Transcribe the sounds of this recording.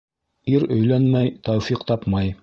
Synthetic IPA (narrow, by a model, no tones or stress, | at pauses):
iɾɵ̆jlænmæjt̪æwfiqt̪ɑpmɑj